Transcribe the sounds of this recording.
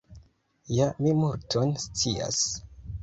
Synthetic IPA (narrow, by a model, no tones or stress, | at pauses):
jamimuɾtʰonst͡sia̰s